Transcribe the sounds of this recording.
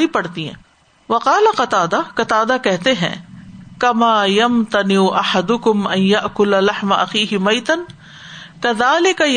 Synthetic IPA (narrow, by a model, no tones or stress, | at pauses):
ipɐɽt̪iɦɛ̰̃ː | ʋɐqɑːlaqɐt̪aːd̪aqɐt̪aːd̪akɛɦt̪eɦɛ̰̃ːkɐmaːjɐmt̪ɐnɪʔɐħad̪ʊkʊmɐ̃njɐʔkʊllɐħmaʔɐ̰xiːɦɪmɐːt̪ɐn | kɐðaːlɪkaj